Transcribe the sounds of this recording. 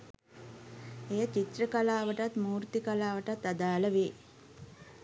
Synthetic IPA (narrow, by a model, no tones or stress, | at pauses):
ejət͡ʃit̪rəkalaːʋəʈat̪muːɾt̪ikalaːʋəʈat̪ːad̪aːləʋeː